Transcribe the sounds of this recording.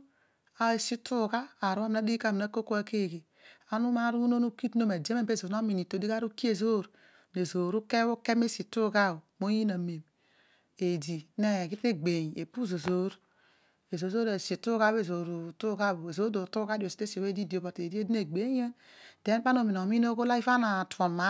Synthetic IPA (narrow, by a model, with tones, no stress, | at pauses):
a˦e˨si˦tʰu˦ka˦a˨ɾu˦a˦m˨na˦di˦ka˦˨mi˨na˦ko˦ko˦a˦ke˦˨ɡe˨ | a˦nu˦ma˦ɾu˦no˦nu˦ki˦tno˦me˨de˦me˦be˦˨zo˨no˦mi˨ni˨to˨di˦a˦ɾu˦ki˦e˨zo˦ɾ | ne˨zo˨ɾu˦ke˦wo˦ke˦me˦si˨tu˦ka˦˨o˨mo˦ji˦na˨me˨m | e˨di˨˦ne˦˨ɡi˦te˦ɡ͡be˨ɲ˨e˨pu˦zo˨zo˦ɾ | e˨zo˨zo˦ɾe˨si˨tu˦ɡa˦be˦˨zo˨ɾu˨tu˦ɡa˦˨bo˨e˨zo˦do˨tu˦ka˦di˨o˨si̥˨te˦si˨o˨we˦di˦di˨o˨bo˨te˨di˦e˦di˦ne˨ɡ͡be˨˦e˦n | de˦n˦k͡pa˦no˨mi˨n˨o˨mi˦no˦ɡo˦la˦i˦fa˦na˨to˨ma˨˦